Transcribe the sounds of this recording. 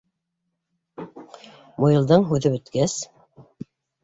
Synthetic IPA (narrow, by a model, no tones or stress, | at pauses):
mojɤ̆lˠd̪ɤɴɦʉðɘbɵ̆t̪kæs